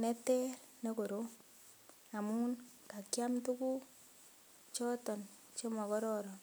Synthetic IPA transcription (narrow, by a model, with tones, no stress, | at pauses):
nɛ˦tɛ˦ɾne˦ko˨ɾo˦ | a˨mu˦n | ka˨kja˦mtu˦ku˦ | t͡ʃɔ˦tɔ˨n | t͡ʃɔ˦mɔ˨kɔ˦ɾɔ˦ɾɔ˨